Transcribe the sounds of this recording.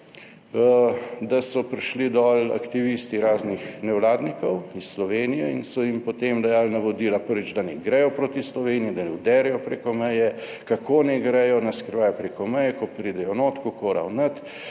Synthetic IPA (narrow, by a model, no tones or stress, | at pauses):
d̪asɔpɾiʃlid̪ɔla̰kt̪iʋiːst̪iɾaːznixnɛwlaːd̪nikɔwisslɔʋeːnijɛinsɔjimpɔt̪emd̪ɐjaːlnaʋɔd̪iːlapəɾʋid͡ʒd̪anɛɡɾɛjɔpɾoːt̪islɔʋeːniid̪anɛwd̪ɛɾɛjɔpɾeːkɔmɛjɛ | kakoːnɛɡɾɛjɔnaskɾiʋaːjɔpɾeːkɔmɛjɛkɔpɾiːd̪ɛjɔnot̪kɔkoːɾa̰wnət̪